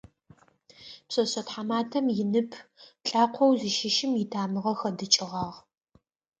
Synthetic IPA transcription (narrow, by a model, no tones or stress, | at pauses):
psɐɕɐtħamaːtʰɐmjɪnɨpʰɬʼaːqʷʰɔwzɨʃɪʃɪmjɪtʰaːmɨʁɐxɐdɨt͡ʃʼɪʁɑːʁ